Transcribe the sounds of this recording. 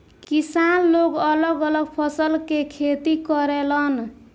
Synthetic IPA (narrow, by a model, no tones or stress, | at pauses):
kisanːokʌlʌɡʌlʌɡpʰʌsʌlkekʰet̪ikʌɾelʌn